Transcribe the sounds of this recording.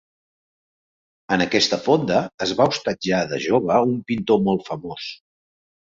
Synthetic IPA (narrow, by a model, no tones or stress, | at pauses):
ənəkɛst̪əfond̪əːzβaust̪əd͡ʒaðə̰ʒoβ̞əumpint̪omolˠt̪fəmos